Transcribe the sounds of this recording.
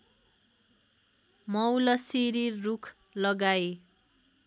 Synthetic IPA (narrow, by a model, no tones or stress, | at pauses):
mʌwlʌsiɾirukʰ | lʌɡaj